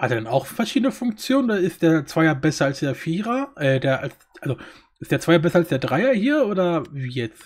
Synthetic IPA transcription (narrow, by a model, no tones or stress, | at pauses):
hateːɐdanaʊxfɛɐʃiːdənəfʊŋkt͡sjoːnəndaɪstd̥eːɐt͡sv̥aɪɐbɛsɐalsd̥eːɐfiːʁɐʔɛːdeːɐʔa̰ls | ʔalzo | ʔɪstd̥eːɐt͡sv̥aɪɐbɛsɐalsd̥eːɐdʁaɪɐhiːɐʔoːdɐviːjɛt͡s